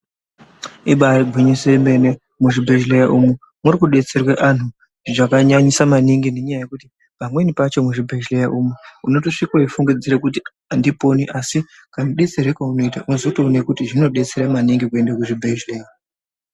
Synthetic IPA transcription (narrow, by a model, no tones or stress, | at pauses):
iɓaiɡʱiɲiseme̞ne | muʐibʱeʒlejaʔumu | murikuɗe̞t͡se̞rwaʔan̤u | ʐakaɲaɲisamaniŋɡine̞ɲajaje̞kuti | pamwe̞nipat͡ʃo̞muʐibʱeʒlejaʔumeuno̞to̞ʂikwaifuŋɡid͡ziɾekuti | andipo̞niʔasi | kaniɗe̞t͡seɾekauno̞itaʔuzotoːnekutiʐino̞ɗe̞t͡se̞ɾamaniŋɡikue̞ndakuʐibʱeʒleːja